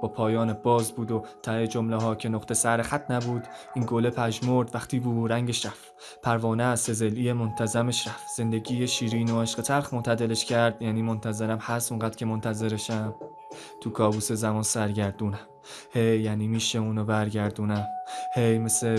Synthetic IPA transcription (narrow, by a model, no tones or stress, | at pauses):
b̥ɒːpʰɒːjɒːnebɒːzbuːd̪ot̪ʰæed͡ʒomleɦɒːcʰe̞noχt̪esæɾexæt̪ʰnæbuːd̪iːnɡolepʰæʒmoɾd̪væxt̪ʰiːbuːɾæŋɟeʃɾæf | pʰæɾvɒːnæse̞zeliemont̪ʰæzæmeʃɾæfz̥e̞nd̪e̞ɟiːjeʃiːɾiːnoeʃɢet̪ʰæɾχmont̪ʰæd̪eleʃcʰæɾd̪̥jæːniːmo̞nt̪ʰæze̞ɾæmhæst̪oŋɢæːd̪̥cʰe̞mont̪ʰæze̞ɾeʃæm | t̪ʰuːkʰɒːbuːsezæmɒːnsæɾɟæɾd̪uːnæm | hejːæːniːmiːʃeuːnobæɾɟæɾd̪uːnæmhe̞jme̞se